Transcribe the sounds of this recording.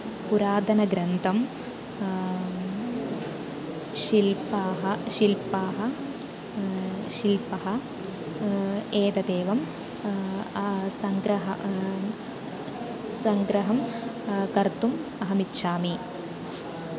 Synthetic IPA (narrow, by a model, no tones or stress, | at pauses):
puɾaːd̪ʱɐnɐɡɾɐnt̪ʰɐm | ʃilpaːɦɐʃilpaːɦɐ̆ | ʃilpɐɦɐ | eːd̪ɐd̪eːʋɐm | sɐŋɡɾɐɦɐ | sɐŋɡɾɐɦɐm | kɐɾt̪umɐɦɐmit̪ːʃaːmi